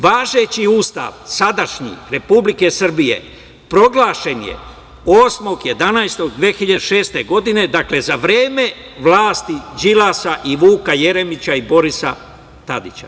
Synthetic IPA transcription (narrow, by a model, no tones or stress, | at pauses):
ʋaːʒe̞t͡ɕiuːst̪a̰ʋsad̪aʃɲḭɾe̞publike̞sr̩bije̞̰ | pɾo̞ɡlˠaːʃe̞njḛ | o̞ːsmo̞ɡje̞d̪anajst̪o̞ɡd̪ʋeːxiʎaʃe̞ːst̪e̞ɡo̞d̪ine̞d̪akle̞zaʋɾeːme̞ | ʋlaːst̪id͡ʒilaːsaʔiʋuːkaje̞ɾe̞mit͡ɕaibo̞ɾisa | t̪ad̪it͡ɕa̰